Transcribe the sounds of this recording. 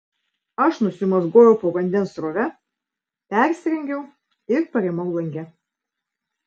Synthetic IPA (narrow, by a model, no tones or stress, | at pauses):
ɐʃnʊsʲɪmɐzɡoːjɛʊpoːʋɐnʲd̪ʲɛnsɾoːʋʲɛ | pʲæˑɾʲsʲɾʲɛŋʲɡʲɛʊ | ɪɾpɐɾʲeɛmɐʊlˠɐŋʲɡʲɛ